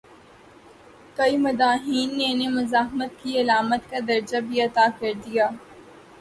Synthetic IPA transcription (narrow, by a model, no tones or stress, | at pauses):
kɐimɐd̪aːɦiːnːenemʊzaːɦmət̪kiɐlaːmət̪kad̪ɐɾd͡ʒabʱiɐt̪aːkɐɾd̪ijaː